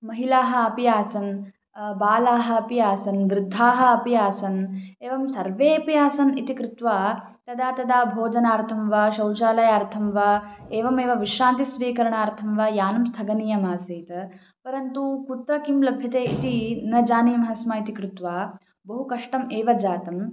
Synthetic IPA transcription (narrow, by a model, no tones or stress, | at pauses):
mɐɦilaːɦɐ̆ɐpijaːsɐn | baːlaːɦɐ̆ɐpijaːsɐnʋɾɪd̪ʱːaːɦɐ̆ɐpijaːsɐneːʋɐmsɐɾʋeːpijaːsɐnit̪ikɾut̪ʋaː | t̪ɐd̪aːt̪ɐd̪aːbʱoːd̪ʱɐnaːɾt̪ʰɐmʋaːʃɐwt͡ʃaːlɐjaːɾt̪ʰɐmʋaeːʋɐmeːʋɐʋiʃɾaːnt̪isʋiːkɐɾɐɳaːɾt̪ʰɐmʋaːjaːnɐmst̪ʰɐɡɐniːjɐmaːseːt̪ɐ | pɐɾɐnt̪ukut̪ɾɐkimlɐbʱjɐt̪eːit̪inɐd͡ʒaːnijɐmɐɦɐsmaːit̪ikɾut̪ʋaː | bɐɦukɐʂʈɐmeːʋɐd͡ʒaːt̪ɐm